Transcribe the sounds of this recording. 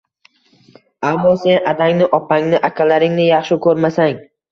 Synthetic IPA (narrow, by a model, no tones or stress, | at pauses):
amːɒse̞nad̪aŋnɪʔɒpʰaŋnɪʔakʲʰalaɾɪŋnɪjɑχʃɪkʰɵɾmasaŋ